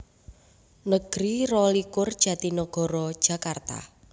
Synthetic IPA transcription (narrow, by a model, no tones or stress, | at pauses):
nəɡ̥ɾirɔlikʊrd̥ʒ̥ä̤t̪inɔɡ̥ɔ̤ɾɔ̥ʒ̥a̤kart̪a̰